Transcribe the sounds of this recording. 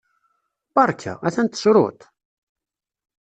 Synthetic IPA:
bɑɾˤkʰa̰æθænt̪ːsɾˤʊ̰t̪

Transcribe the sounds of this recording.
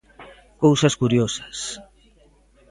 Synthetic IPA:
kowsɐskuɾjosɐ̥s

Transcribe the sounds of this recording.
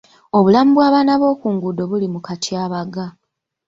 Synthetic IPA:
o̞βulamubwaːβaːnaβo̞ːkuːŋɡudo̞βulimukatʰjaːβaɡa

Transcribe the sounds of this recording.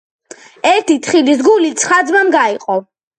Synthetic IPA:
ɛɾt̪ʰit̪ʰχilisɡulit̪sʰχad̪zmamɡaiqʼɔ

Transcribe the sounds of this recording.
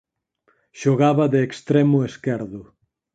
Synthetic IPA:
ʃoɣaβɐðeːkst̪ɾemʊeskɛɾðʊ

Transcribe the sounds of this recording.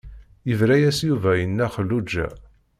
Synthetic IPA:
jəvɾæjæsjuvæjənːæχəlːud͡ʒːæ̰

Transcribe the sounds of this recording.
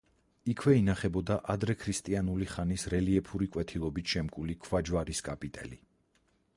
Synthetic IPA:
ikʰwɛinaχɛbɔd̪aʔad̪ɾɛkʰɾist̪ʼianuliχanisɾɛliɛpʰuɾikʼwɛt̪ʰilˠɔbit̪ʃɛmkʼulikʰwad͡ʒwaɾiskʼapʼit̪ʼɛ̰li

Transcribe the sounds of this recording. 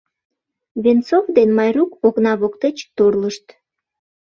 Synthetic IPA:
βent͡sovd̪enmɑjrukoɣnɑβokt̪et͡ɕt̪orləʃt̪

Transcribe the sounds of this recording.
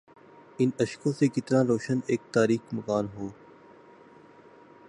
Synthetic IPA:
ɪnəʃkõːsekɪt̪nãːɾoːʃəneːk̚t̪aːɾiːkməkaːnɦoː

